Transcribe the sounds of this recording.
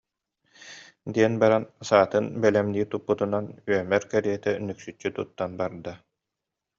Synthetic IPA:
d̪iɛnbaɾansaːt̪ɯnbɛlɛmniːt̪upːut̪unanyœmɛɾkɛɾiɛt̪ɛnyksyt͡ʃːyt̪ut̪ːanbaɾd̪a

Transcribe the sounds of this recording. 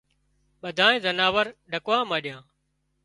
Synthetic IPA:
ɓəd̪ʱaːnẽːzənaːʋəɾɖʱəkʋãːmaːɗɪjãː

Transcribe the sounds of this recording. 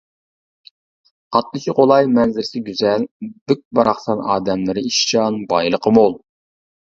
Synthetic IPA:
qɑt̪lˠɨt͡ʃʰiqolˠɑjmɛnzɪɾsɪɡʲyzɛlbɪk̚ʲbɑɾɑχsɑnɑ̰ːd̪ɛmlˠɪɾɪiʃt͡ʃɑnbɑjlˠəqʰəmolˠ

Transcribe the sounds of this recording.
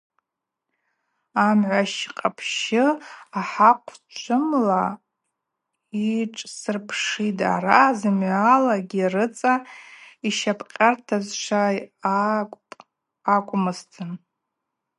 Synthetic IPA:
amʕʷaʃqʼapʰʃɪaħaqʷʰt͡ʃʷʰʊmla | iʈ͡ʂʼsɨrpʰʂitʼa̰razɨmʕalaɡʲirɨt͡sʼaiʃapʰqʲʼartʰazʂa | akʷʼʊmɨstʰɨn

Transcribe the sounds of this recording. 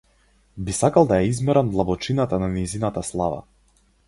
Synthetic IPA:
bisakalˠd̪ajaizmɛɾand̪lˠabɔt͡ʃinat̪ananɛjzinat̪aslˠava̰

